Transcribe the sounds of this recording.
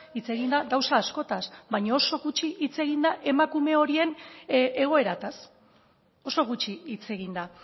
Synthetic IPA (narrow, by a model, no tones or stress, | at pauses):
it͡se̞ɣ̞ind̪aɣawsaːsko̞t̪asbajɲaoso̞ɣut͡ʃiʔit͡se̞ɣ̞ind̪aʔe̞makume̞o̞ɾie̞ne̞ɣ̞o̞e̞ɾat̪as | o̞so̞ɣ̞ut͡ʃiːt͡se̞ɣind̪a